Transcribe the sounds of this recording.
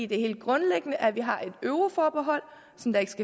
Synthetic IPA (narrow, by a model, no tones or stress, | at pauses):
ḭd̥e̝he̝ːld̥̚ɡ̥ʁɔ̽nleɡ̥ənəʔæʋiɦɑ̈ʔe̝d̥øʊʁofɒːb̥eɦɒ̽l̰ | sɒ̽md̥ɑ̈e̝ɡ̥sɡ̥æ